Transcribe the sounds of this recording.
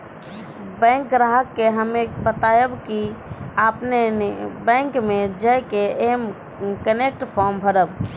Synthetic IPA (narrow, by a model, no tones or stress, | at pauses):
bɛ̃ːŋkɾaɦəkːeɦəmẽbət̪ajəbkiaːpnenbɛ̃ːŋkmẽd͡ʒəjkeeːm | kənek̚ʈpʰɔɾmbʱəɾəb